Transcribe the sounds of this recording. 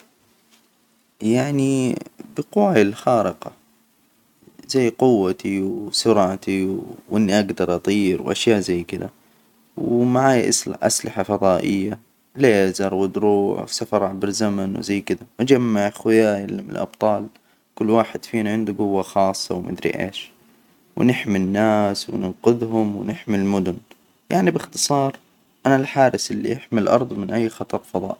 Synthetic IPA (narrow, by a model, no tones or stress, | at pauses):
jaʕnibɪqʊwaɪlxɑːɾɪqɑ̰ | zajːqʊwːat̪iwsʊɾʕat̪iʔɪnːiʔaɡd̪ɑɾˤʔɑt̪ˤiːɾwʔa̰ʃjaːʔzajːkɪd̪a̰ | wmaʕaːjʔʔa̰slɪħafɑðˤɑːʔɪjːa | leːzɑɾˤwɪd̪ɾuːʕwsafɑɾˤʕabɪɾzamanw̰zajːkɪd̪aʔad͡ʒamːaʕaxwɪjaːʔɪlːimɪn̰lʔɑ̰b̥̚t̪ˤɑːl | kʊlːwaːħɪd̪̥fiːnaʕɪnd̪ʊɡʊwːaxɑːsˤːɑwmʔɪ̰d̪ɾḭʔḛːʃ | wɪnɪħminːaːswɪ̰nɪnqʊðɦʊmwɪnɪħmilmʊd̪ʊn | jʔaʕnibɪxt̪ɨ̥sˤɑːɾˤ | ʔanalħaːɾɪsʔɪlːḭʔɪħmɪlʔɑ̰ɾˤd̪ˤmɪnʔajːxɑt̪ˤɑɾˤfɑðˤɑ̰ːʔ